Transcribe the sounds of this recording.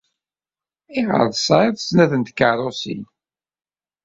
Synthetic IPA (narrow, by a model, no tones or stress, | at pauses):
iʁə̰ɾˤsɑiðˤsnæðənt̪kaɾˤosḭn